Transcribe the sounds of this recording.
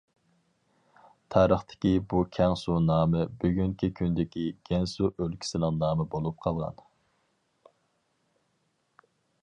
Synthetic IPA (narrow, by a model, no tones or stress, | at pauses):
t̪ʰɑːɾəχt̪ʰɪ̥kʲibukʲʰɛŋsunɑːmɨbyɡʲyŋkʲʰikʲʰynd̪ɪkʲiɡ̥ʲɛnsuʔølkʲi̥sɪnɪŋnɑːmɨbolˠup̚qʰɑlˠʁɑ̰n